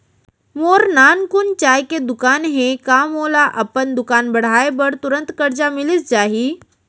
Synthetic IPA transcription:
moːɾnaːnkʊnt͡ʃaːjked̪ʊkaːnɦẽkaːmoːlaʔɐpənd̪ʊkaːnbɐɽ̤aːebɐɾt̪ʊɾə̃nt̪kɐɾd͡ʒamɪlɪsd͡ʒaːɦiː

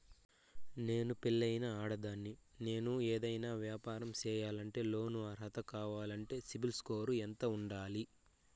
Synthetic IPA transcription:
ne̞ːnupilːɐjnɐaːɽɐd̪aːnːine̞ːnueːd̪ɐjnaːʋjaːpaːɾɐmt͡ʃɛːjaːlɐɳʈe̞ːlo̞ːnuɐɾɦɐt̪ɐkaːʋaːlɐɳʈe̞ːsibilskoːɾuent̪ɐuɳɖaːli

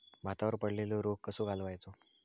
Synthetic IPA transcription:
m̤ʱat̪aʋəɾpəɽleloɾoɡ̚kəsoɡʱalʋajt͡so

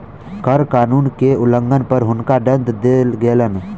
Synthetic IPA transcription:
kəɾkaːnuːnkeʊlə̃ŋɡənpəɾɦʊnkaɖə̃nd̪d̪eːlɡeːlən

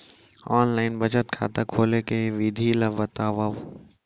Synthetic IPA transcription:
ɔːnlaːɪnbɐt͡ʃət̪̚kʰa̰ːt̪akʰoːlekeʋiːd̪ʱilɐbɐt̪aːʋaʋ

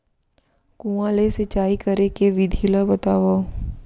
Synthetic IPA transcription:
kũãːleset͡ʃaːikɐɾekeʋid̪ʱilabɐt̪aːʋa

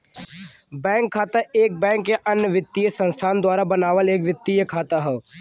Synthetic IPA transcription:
bɛ̃ːŋkʰːaːt̪aeːk̚bɛ̃ːŋkːeʔɐnjəʋɪt̪ːijəsə̃nst̪ʰaːnd̪waːɾabənaːʋəleːkʋɪt̪ːijəkʰaːt̪aɦɛː

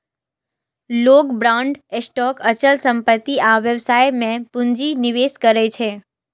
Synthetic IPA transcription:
loɡbɾãɳɖesʈɔkət͡ʃəlsəmpət̪ːiʔaʋjəʋsajmẽpũɲd͡ʒiniʋeskəɾet͡ʃʰe

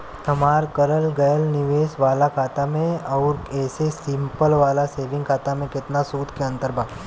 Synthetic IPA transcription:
t̪ɐmaːɾkəɾəlɡɐjəlnɪʋeːsʋaːlakʰaːt̪amẽɔːɾɛːsesɪ̃mpəlʋaːlaseːʋɪ̃ŋɡkʰaːt̪amẽkɪt̪nasuːd̪ʱkeə̃nt̪əɾbʱaː

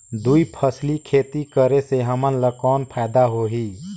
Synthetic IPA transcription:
d̪uipʰəslikʰeːt̪ikəɾeseɦəmənləkɔːnpʰɛːd̪aɦoɦiː

